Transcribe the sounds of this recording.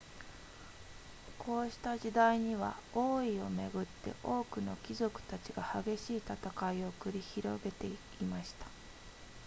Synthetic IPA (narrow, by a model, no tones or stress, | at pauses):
kʰo̞ːɕi̥t̪aʑid̪aiɲ̟iβ̞a̰o̞ːio̞me̞̰ɡɯ̟t̪ːe̞̰ʔo̞ːkɯ̟no̞̰kʲizo̞kɯ̟̥t̪at͡ɕiɡahaɡe̞ɕiːt̪at̪akaio̞kɯ̟ɾʲiçiɾo̞̰ɡe̞t̪e̞ | imaɕi̥t̪ḁ